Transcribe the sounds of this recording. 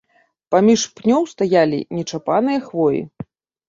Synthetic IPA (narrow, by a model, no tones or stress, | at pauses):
pamʲiʂpnʲɔwst̪ajalʲḭnʲɛt͡ʂapanɨjɐxvɔjḭ